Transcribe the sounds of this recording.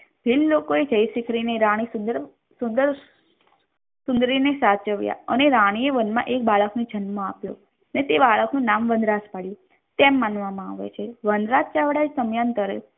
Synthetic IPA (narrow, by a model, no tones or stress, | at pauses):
bʱilːokoed͡ʒəjsikʰɾineɾãɽ̃isund̪əɾ | sund̪əɾ | sʊ̃nd̪ɾinesat͡ʃəʋja̰əneɾaɽ̃ieʋənmã̰ʔek̚baɭəknud͡ʒʱənmõapjo̰ | net̪ebaɭəknũnamʋənd̪ɾaspaɽju | t̪emːanʋamãaʋḛt͡ʃʰeʋənd̪ɾat̚t͡ʃaʋɽad͡ʒsəmjant̪əɾḛ